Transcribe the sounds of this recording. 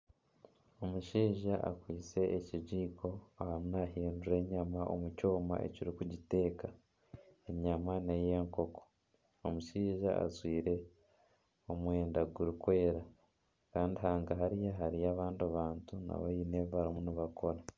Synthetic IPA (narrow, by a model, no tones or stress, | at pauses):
o̞muʃiːʒaʔa̰kwiːt͡se̞ʔeciɟiːkʰo̞ahamunaɦiːnduɾe̞ɲamaʔo̰muco̞ːma̰ʔe̞̰ciɾikuɟite̞ːka | eɲamaneje̞ːŋko̞ko̥ | omuʃiːʒa̰a̰zwiːɾe̞ | o̞mwe̞ːndaɡuɾikwe̞ːɾa | kaːndiɦaːŋɡaɦaɾijaɦaɾijaːβaːndiaβaːntuna̰βajine̞vaɾimuniβakʰo̞ɾa